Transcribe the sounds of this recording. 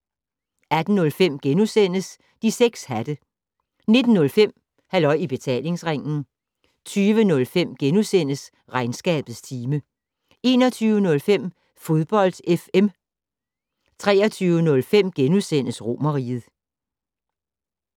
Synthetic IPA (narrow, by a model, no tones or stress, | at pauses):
æd̥n̩nɔ̽lfem̰ɡ̥enusen̰əs | d̥iseɡ̥shæd̥ə | ne̝d̥n̩ːɔ̽lfem̰ | hælɒ̽ɪ̰ib̥e̝t͡sʰɛ̰ːle̝ŋsʁeŋ̰n̩ | t͡sʰyːʋənɔ̽lfem̰ɡ̥enusen̰əs | ʁɑ̈ɪnsɡ̥ɛ̰ːb̥ð̩ˠst͡sʰiːmə | e̝̰ːnɒt͡sʰyːʊənɔ̽lfem̰ | fo̝ð̞ˠb̥ɒ̽l̰d̥efem | t͡sʰʁɛ̰ːɐt͡sʰyːʊənɔ̽lfem̰ɡ̥enusen̰əsʁo̝mɐʁḭːð̞̩ˠ